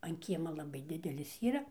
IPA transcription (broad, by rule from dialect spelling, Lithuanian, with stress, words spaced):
ɐn ˈkʲiɛmɐ lˠɐˈbɐɪ ˈdʲɪdʲɛlʲɪs ˈiːrɐ